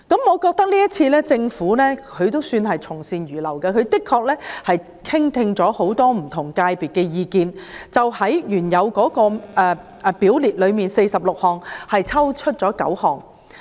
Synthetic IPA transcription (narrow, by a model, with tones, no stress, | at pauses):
kɐ˨˥mŋɔː˨˧kɔː˧k̚t̪ɐ˥k̚liː˥ɐ˥t̚t͡sʰiː˧lɛː˥t͡sɪ˧ŋfuː˨˥lɛː˥kʰɵ˨˧ɥt̪o˥wsyː˧nɦɐ˨jt͡sʰʊ˨˩ŋsiː˧njyː˨˩lɐ˨˩wkɐ˧kʰɵ˨˧ɥkɪ˥kʰːɔː˧k̚lɛː˥hɐ˨j | kʰɪ˥ŋt̪ʰɪ˧ŋt͡sɔː˨˥ho˨˥wt̪ɔː˥m̩˨˩t̪ʰʊ˨˩ŋkaː˧jpiː˨˩t̚kɛː˧jiː˧kiː˨nt͡sɐ˨whɐ˨˥jjyː˨˩njɐ˨˧wkɔː˨˥kɔː˧ɛː˨˧ | piː˨˥wliː˨t̚lɵ˨˧ɥmiː˨nse˧jsɐ˨p̚lʊ˨k̚hɔː˨ŋhɐ˨jt͡sʰɐ˥wt͡ʃʰɵ˥t̚t͡ʃɔː˨˥kɐ̰˨˥whɔː˨˩ŋ